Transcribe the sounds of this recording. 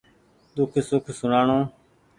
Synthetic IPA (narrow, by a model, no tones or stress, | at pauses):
d̪ʊkʰsʊkʰsʊnaːɳõː